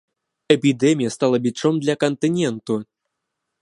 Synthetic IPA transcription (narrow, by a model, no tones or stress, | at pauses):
ɛpʲid̪ɛmʲijast̪alˠɐbʲit͡ʂɔmd̪lʲakɐnt̪ɨnʲɛnt̪u